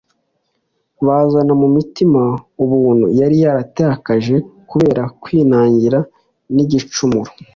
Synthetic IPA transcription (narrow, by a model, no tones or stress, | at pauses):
βazanamumitimauβuːn̥hṵjaɾijaɾatehakaʒe̞kuβe̞ːɾakwiːnaːɲɟiɾa | niɟit͡ʃumuɾo